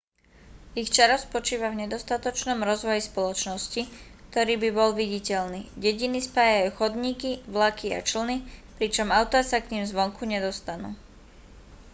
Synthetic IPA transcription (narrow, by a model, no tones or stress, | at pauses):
ixt͡ʃaɾɔspɔt͡ʃiːʋavɲɛd̪ɔst̪at̪ɔt͡ʃnɔmɾɔzʋɔjispɔlɔt͡ʃnɔscikt̪ɔɾiːbibɔlʋiɟicɛʎniːɟɛɟinispaːjajuxɔd̪ɲiːkiʋlakia̰t͡ʃl̩nipɾit͡ʃɔmaʊt̪ɔasakɲiːmzʋɔŋkuɲɛd̪ɔst̪anṵː